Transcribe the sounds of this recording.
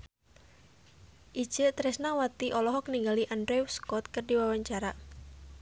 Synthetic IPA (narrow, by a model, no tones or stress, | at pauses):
ʔi̥d͡ʒ̥ət̪ɾɛsnawat̪iʔɔlɔɦɔk̚niŋɡaliʔandɾɛwskɔt̪̚kərdiwawaɲt͡ʃaɾa